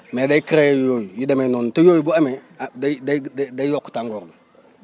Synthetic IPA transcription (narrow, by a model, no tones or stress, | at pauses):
medaikiɾejjojijidamenontojojibuameddaddaijokːtaŋɡoɾn